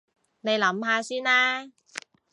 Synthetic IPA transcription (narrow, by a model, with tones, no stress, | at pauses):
ne˨˧jlɐ˨˥mɦaː˧syː˥nlaː˥